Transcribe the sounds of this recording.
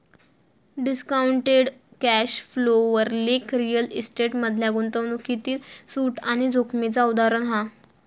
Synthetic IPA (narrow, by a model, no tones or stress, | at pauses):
ɖiskauɳʈeɽkæɕfloʋəɾlekɾijəlisʈeʈməd̪ʱljaɡunt̪əʋnukit̪iːlsuːʈaɽ̃id͡zokʰmit͡saud̪aɾənɦã